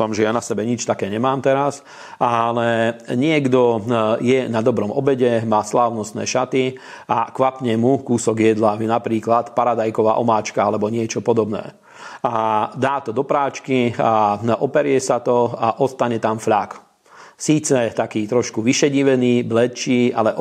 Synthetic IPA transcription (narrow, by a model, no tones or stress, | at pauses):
famʒɛjanasɛbɛɲit͡ʃt̪akɛːɲɛmaːmt̪ɛɾas | alɛɲɪɛɡd̪ɔjɛnad̪ɔbɾɔmɔbɛɟɛmaːslaːʊnɔst̪nɛ̰ːʃat̪i | akʋapɲɛmukuːsɔɡjɛd̪lanapɾiːklat̪paɾad̪ajkɔʋa̰ːʔɔmaːt͡ʃkaalɛbɔɲɪɛt͡ʃɔpɔd̪ɔbnɛ̰ː | ad̪aːt̪ɔd̪ɔpɾaːt͡ʃkiaʔɔpɛɾʊɛsat̪ɔaʔɔst̪aɲɛt̪amfʎak | siːt͡sɛt̪akiːt̪ɾɔʃkuʋiʃɛɟiʋɛniːblɛt͡ʃiːalɛʔ